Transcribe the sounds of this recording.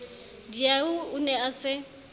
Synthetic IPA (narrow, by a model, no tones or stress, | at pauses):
diaʊʊnɛasɪ